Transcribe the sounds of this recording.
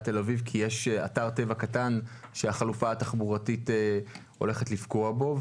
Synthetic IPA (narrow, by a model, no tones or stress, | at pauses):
t̪elavivkʰijeʃa̰taʁt̪e̞vakatan | ʃeaχalufaataχbuʁatite | o̞̰le̞χetlifɡo̞abo̞v